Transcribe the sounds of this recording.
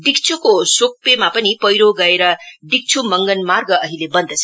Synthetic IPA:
ɖikt͡sʰukosok̚pemapʌnipʌjɾoɡʌeɾʌɖik̚t͡sʰumʌŋɡʌnmarɡʌʌɦilebʌnd̪ʌt͡sʰʌ

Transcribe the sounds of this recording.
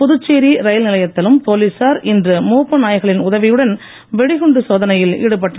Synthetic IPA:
pʊðɯt͡ʃːeːɾiɾɐjlnɪlɐjɐt̪ːɐlɯmpoːlisaːɾʔɪndrɯmuːpːɯnaːjɐɣɐɭɪnʊðɐʋɪjɯɽɐn | ʋɛɽɪɣɯɳɖɯsoːðɐnɐjɪlɪ̰ɽɯp̬ɐʈːr

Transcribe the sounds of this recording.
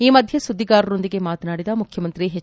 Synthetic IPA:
iːmɐd̪ʱjɐsud̪ːiɡaːɾɐɾo̞nd̪iɡe̞maːt̪ɐnaːɽid̪ɐmukʰjɐmɐnt̪ɾiɦe

